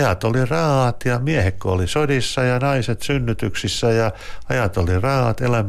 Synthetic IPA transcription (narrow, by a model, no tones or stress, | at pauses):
jɑt̪olirɑhɑt̪jɑmiehekːoolisodisːɑjɑnɑiset̪synːyt̪yksisːæjɑɑjɑt̪olirɑhɑ̰t̪elæm